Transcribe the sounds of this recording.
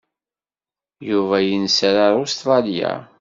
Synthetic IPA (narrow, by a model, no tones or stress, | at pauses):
juvæjənsɾaɾˤust̪ɾˤɑlja̰